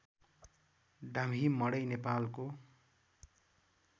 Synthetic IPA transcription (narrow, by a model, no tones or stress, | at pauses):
ɖamɦimʌɽʌjnepalko